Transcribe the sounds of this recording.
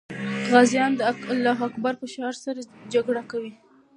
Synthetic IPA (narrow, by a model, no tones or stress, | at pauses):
ɣazjɑnd̪əlaɦakbaɾpəʃɑɾsaɾad͡ʒaɡɽakawi